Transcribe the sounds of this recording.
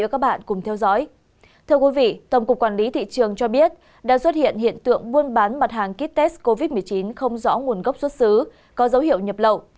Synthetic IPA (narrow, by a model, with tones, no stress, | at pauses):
kaː˦˥k̚ɓa̰ː˧˨nkʊ˨˩ŋ͡mt̪ʰɛ˧wzɔ̰˧˥j | t̪ʰɨ˧əkwi˨˦vḭ˧˨t̪ə˨˩wŋ͡mkʊ˨˩k͡p̚kːwa˧˩nli˨˦t̪ʰḭ˧˨t͡ɕɨ˨˩əŋt͡ɕɔ˧ɓi˦˥ət̚ | ɗa̰ː˧˥swə˦˥t̚hḭ˧˨ənɦḭ˧˨ənt̪ɨ̰˧˨əŋɓu˧ənɓaː˨˦nma˨˩t̚haː˨˩ŋki˦˥p̚t̪ɛ˦˥sko˧vi˦˥t̚mɨ˨˩əjt͡ɕi˨˦nxə˧wŋ͡mzɔ̰˧˥ŋu˨˩ənɣə˦˥p̚swə˦˥t̚sɨ˨˦ | kɔ˨˦zə˨˦whḭ˧˨əwɲə˨˩p̚lə̰˧˨w